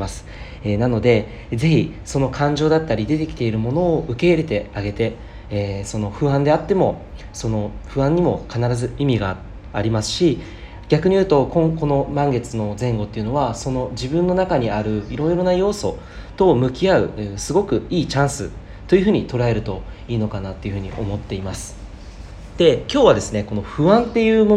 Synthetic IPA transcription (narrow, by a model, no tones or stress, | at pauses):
masɨ̥ | enano̞d̪e̞ | ze̞çiso̞no̞kʰãɲ̟d͡ʑo̞ːd̪at̪ːaɾʲid̪e̞t̪e̞kʲi̥t̪e̞iɾɯ̟mo̞no̞ːɯ̟ke̞iɾe̞t̪e̞aɡe̞t̪e̞ | so̞no̞ɸɯ̟ãnd̪e̞at̪ːe̞mo̞ | so̞no̞ɸɯ̟ãɲ̟imo̞kanaɾazɨimʲiɡaː | ɾʲimasɨ̥ɕi | ɡʲakɯ̟ɲ̟ijɯt̪o̞kõ̞ŋko̞no̞mãŋɡe̞t͡sɨno̞zẽ̞ŋɡo̞t̪ːe̞iɯ̟no̞βaso̞no̞d͡ʑibɯ̟̃nːo̞nakaɲ̟iaɾɯ̟iɾo̞jɾo̞najo̞ːso̞ | t̪o̞mɯ̟kʲiaɯ̟sɨɡo̞kɯ̟iːt͡ɕãɰ̃sɨ | t̪ojɯ̟ɸɯ̟ɲ̟it̪o̞ɾae̞ɾɯ̟t̪o̞ | iːno̞kanat̪ːe̞iɯ̟ɸɯ̟ɲ̟ḭʔo̞̰mo̞t̪ːe̞imasɨ̥ | d̪̥e̞kʲo̞ːβad̪e̞sɨne̞ko̞no̞ɸɯ̟βãnt̪e̞jɯ̟ːmo